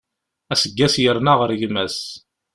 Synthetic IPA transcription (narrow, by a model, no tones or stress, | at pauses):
æsəɡːæsjəɾnaʁəɾʝmæs